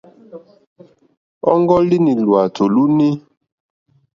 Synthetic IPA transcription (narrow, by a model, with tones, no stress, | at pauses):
ɔ˦ŋɡɔ˦li˦ni˨lwa˨tʰo˨lu˦ni˦